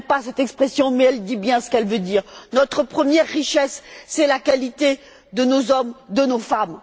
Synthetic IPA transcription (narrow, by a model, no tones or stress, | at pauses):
pasɛt̪ɛkspχesjɔ̃mɛɛld̪ibjɛ̃sə̥kɛlvød̪iːʁnɔt̪χəpχəmjɛʁːiʃɛsːɛlakalit̪e | d̪ənozɔmd̪ənofam